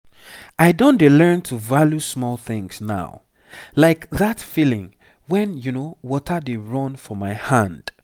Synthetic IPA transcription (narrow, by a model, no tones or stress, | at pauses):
aɪdõndelɜ̃˞ntʰuvaljusmɔlˠθɪ̃ŋsna̰ʊ | laɪkðatfilɪ̃ŋ | wɛ̃njunowɔtʰədeɹɔ̃nfɔmaɪhãnd̥